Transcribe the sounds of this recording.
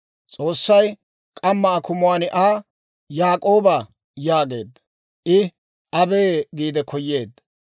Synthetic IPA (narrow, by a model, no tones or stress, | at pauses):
t͡sʼo̞ːsːɐj | kʼɐmːɐːkʊmʊwaːnɪʔaː | jaːkʼo̞ːbɐ | jaːɡe̞̰ːd̪ | ʔɪ | ʔɐbeːɡiːd̪ɛkʰɔjːeːd̪